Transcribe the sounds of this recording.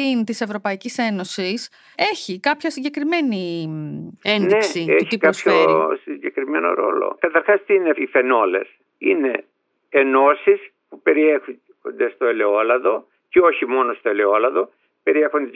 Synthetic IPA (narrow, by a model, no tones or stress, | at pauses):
int̪ise̞vɾo̞pɐicise̞no̞sis | e̞çikɐpçɐsiɲɟe̞kɾime̞ni | ennesieçiikɐsçoɾsiɲɟe̞kɾime̞no̞̰ɾo̞̰lo̰kɐt̪ɐɾxɐst̪iineife̞no̞le̞̰s | ine̞ː | no̞sis | pupe̞ɾie | xond̪e̞st̪oele̞olɐðo̞ | ceo̞çimo̞nost̪oele̞olɐðo̞ | pe̞ɾiexond̪e